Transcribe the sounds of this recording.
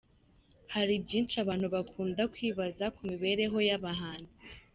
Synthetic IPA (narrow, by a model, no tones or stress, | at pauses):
haɾibɟiːnt͡ʃaβaːn̥huβakʰuːndakwiːβazakumiβe̞ɾe̞ɦo̞jaβaɦaːndi